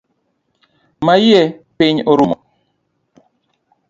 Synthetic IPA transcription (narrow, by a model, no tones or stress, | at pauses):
majɛpɪɲoɾumɔ